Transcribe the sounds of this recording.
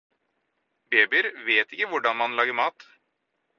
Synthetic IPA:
beːbɪəɾʋeːt̪ɪkːəʋʊɖɑnmɑnlɑːɡəɾmɑːt̪

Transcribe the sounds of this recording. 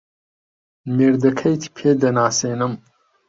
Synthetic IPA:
meːɾd̪ɐkʰɐjt̪ʰi̥pʰeːd̪ɐnaːseːnɨm

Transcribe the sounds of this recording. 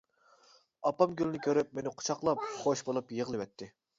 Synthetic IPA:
ɑpɑmɡʲylɪnɪkʲʰøɾyp̚menɪqʰʊ̥t͡ʃʰɑqlˠɑp̚χoʃbolˠupjəʁlˠɨvɛt̪ʰːɪ

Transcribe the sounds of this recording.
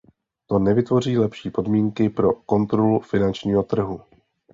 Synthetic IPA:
t̪o̞nɛvɪt̪vo̞riːlɛpʃiːpo̞dmiːŋkɪpɾo̞ko̞nt̪ɾolufɪnant͡ʃɲiːɦo̞t̪r̩ɦu

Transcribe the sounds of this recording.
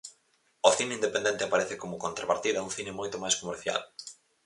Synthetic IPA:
oθineind̪epend̪ent̪ɪapaɾɛθɪkomʊkont̪ɾapaɾt̪iðɐuŋθinemojt̪omajskomeɾθja̰l

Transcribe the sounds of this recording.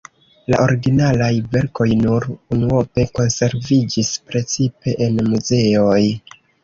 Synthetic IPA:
la̰ʔo̞ɾiɡinalajve̞ɾko̞jnuɾunuope̞ko̞nse̞ɾvid͡ʒispɾe̞t͡sipe̞ʔenmuze̞oj

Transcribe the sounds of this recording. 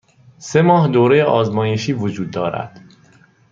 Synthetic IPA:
se̞mɒːhd̪oːɾejeʔɒːzmɒːje̞ʃiːvod͡ʒuːd̪ːɒːɾæ̰d̪̥

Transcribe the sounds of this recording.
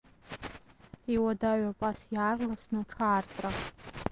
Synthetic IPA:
iwadaɥapʼasjaːrlasnaʈ͡ʂʰaːrtʼra

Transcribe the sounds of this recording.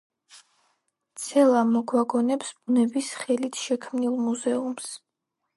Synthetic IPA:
t̪sʰɛlˠamɔɡwaɡɔnɛpsb̥unɛbisχɛlit̪ʰʃɛkʰmnilˠmuzɛums

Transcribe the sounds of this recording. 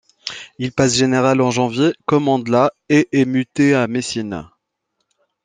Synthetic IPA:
ilpasʒeneʁalɑ̃ʒɑ̃vjekɔmɑ̃d̪la | eʔɛmyt̪eamesin

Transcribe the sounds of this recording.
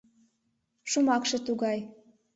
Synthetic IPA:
ʃumɑkʃĕt̪uɣɑj

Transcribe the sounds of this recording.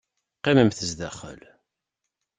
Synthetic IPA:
qːiməmθəzd̪æχə̰l

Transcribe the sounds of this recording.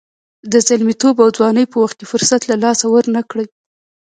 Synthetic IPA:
d̪əzalmit̪obawd͡zwɑnəjpəwaxt̪̚kʲefʊɾsat̪lalɑsawəɾnakɽəj

